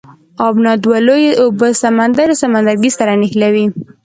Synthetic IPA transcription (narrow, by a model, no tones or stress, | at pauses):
ɑbnɑd̪walojeʔobəsamand̪aɾsamand̪aɾɡisaɾanɪxlawi